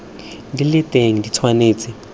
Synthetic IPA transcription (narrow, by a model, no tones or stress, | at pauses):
dilɪtʼeŋ̩dit͡sʰwaneːt͡sʼɪ